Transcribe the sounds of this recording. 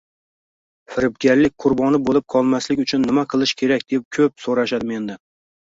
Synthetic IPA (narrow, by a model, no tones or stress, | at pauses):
fɪɾɪpɡʲaɾlɪk̚ʲqʰʊɾbɒnɪbolɪp̚qʰɒlˠmaslɪkʲʊt͡ʃʰʊnːɪmaqʰɨlˠɪʃkʲʰe̞ɾakʲd̪ep̚kʲʰɵp̚soɾaʃad̪ɪme̞nd̪ɪ